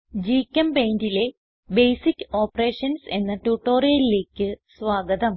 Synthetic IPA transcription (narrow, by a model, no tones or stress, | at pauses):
d͡ʑiːkʲːɐmbejndile̞ | bejsikʲːɨo̞ːpɐre̞ːʂɐnse̞nːɐʈuʈːo̞ːɾijɐlile̞ːkʲːɨsʋaːɡɐd̪ɐm